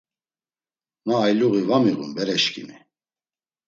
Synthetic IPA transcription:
naːjluɣivamiɣṵnbɛɾɛʃkʰʼḭmi

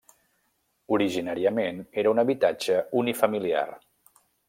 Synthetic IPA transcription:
uɾiʒinaɾiəmeneɾəunəβit̪ad͡ʒəunifəmilia̰r

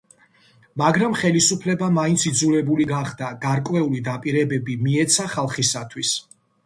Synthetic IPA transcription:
maɡɾamχɛlisupʰlɛbamaint̪sʰid̪zulɛbuliɡaχd̪aɡaɾkʼwɛulid̪apʼiɾɛbɛbimiɛt̪sʰaχalˠχisat̪ʰwis

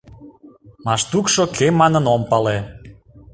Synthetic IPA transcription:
mɑʃt̪ukʃokʰemɑnənompɑle

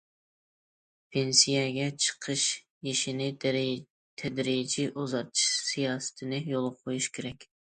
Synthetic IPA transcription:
pʰensijɛɡʲɛt͡ʃʰə̥qʰɨʃ | jiʃinɪ | t̪ʰɛd̪ɾid͡ʒiʔozɑɾt̪ʰɨ̥ʃsijɑːsɨ̥t̪ʰɪnɪjolˠʁqʰojuʃkʲʰeɾɛkʲ

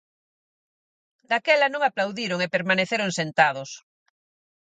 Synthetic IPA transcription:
d̪akɛlanõŋaplawðiɾoŋepeɾmaneθeɾoŋsẽnt̪að̞os

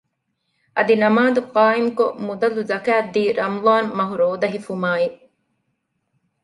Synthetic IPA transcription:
ʔɐd̪inɐmaːd̪uqaːimkomud̪ɐlːuzɐkaːd̪iːɾɐmðˤɑːnmɐɦuɾoːd̪ɐɦifumaːiʔ

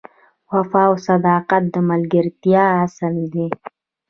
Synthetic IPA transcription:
wafɑːwsad̪ɑːqat̪̚d̪əmalɡəɾt̪jɑːsəld̪i

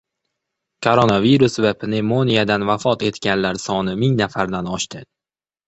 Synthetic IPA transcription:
kʰoɾonaviɾʊsvapʰnemonijad̪anvafɒt̪e̞t̪ɡʲanlaɾsɒnɪmɪŋnafaɾd̪anɒʃt̪ʰɪ

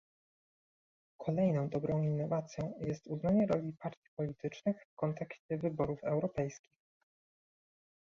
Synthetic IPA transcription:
kʰɔlɛjnɔ̃w̃d̪ɔbɾɔ̃w̃inːɔvat̪sʲjɔ̃w̃jɛst̪uznaɲɛɾɔlʲipaɾt̪ʲi̥pɔlʲit̪ɘt͡ʂnɘxfkɔnt̪ɛkɕt͡ɕɛvɘbɔɾufɛwɾɔpɛjskʲix

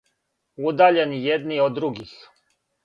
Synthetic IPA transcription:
ud̪aːʎenjed̪niod̪ːɾuɡix

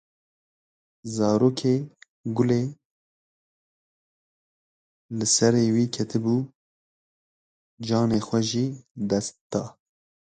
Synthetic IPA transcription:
zɑːɾoːkʰeː | ɡʊleː | lɨsɛɾeːwiːkʰɛt̪ʰɨbuː | d͡ʒɑːneːxʷɛʒiːd̪ɛst̪d̪̥ɑː

